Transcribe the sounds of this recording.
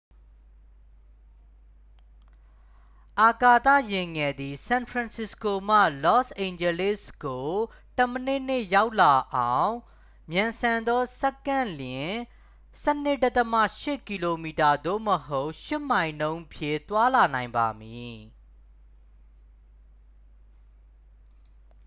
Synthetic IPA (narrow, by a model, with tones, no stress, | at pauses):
ʔa˨ka˨t̪ä̰˦˨jɪ̃˨ŋɛ˨d̪i˨sã˨npʰɹã˨nsɪ˨sko˨m̥ä̰˦˨lɔ˦sʔẽ˨ɪ̃ɲd͡ʑɛ˨lɪ˦˨sɡo˨ | tə˨mənɪ˦˨n̥ɪ˦˨ja˦ʊʔla˨ʔã˨ʊ̃ | mjã˨nsã˨nd̪ɔ˦sɛ˦kːã˦˨ljɪ̃˨ | sɛ˦n̥ɪ˦˨tə˦t̪əmä̰˦˨ʃɪ˦˨ki˨lo˨mi˨ta˨d̪o̰˦˨məɦo˦ʊʔʃɪ˦m̥ã˨ɪ̃ndõ˦ʊ̃pʰjɪ̰̃˦˨t̪wa˦la˨nã˨ɪ̃mba̰˨mji˨